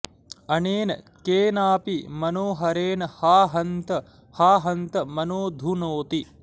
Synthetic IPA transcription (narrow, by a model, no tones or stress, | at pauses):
ɐneːnɐ | keːnaːpimɐnoːɦɐɾeːnɐhaːɦɐnt̪ɐ | haːɦɐnt̪ɐmɐnoːd̪ʱunoːt̪i